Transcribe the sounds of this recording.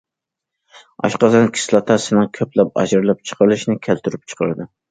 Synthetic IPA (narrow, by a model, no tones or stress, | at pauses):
ɑ̰ʃqɑzɑnkʲʰi̥slˠɑt̪ʰɑsɪnɨŋkʲʰøplɛp̚ɑ̰d͡ʒɾlˠɛp̚t͡ʃʰə̥qʰəɾlˠɨʃnɪkʲʰælt̪ʰyɾyp̚t͡ʃʰə̥qʰəɾɨd̪ɨ